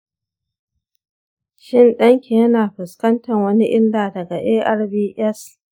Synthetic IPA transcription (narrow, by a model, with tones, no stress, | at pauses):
ʃɪ˦nɗɐ˦ŋkʲi˨jɐ˦naː˨ɸɪ˨skɐ˦ntɐ˨ŋwɐ˦ni˦ʔɪ˦ndaː˨dɐ˨ɡa˨ʔeː˦ʔɐ˦rbiː˦ʔɛ˦s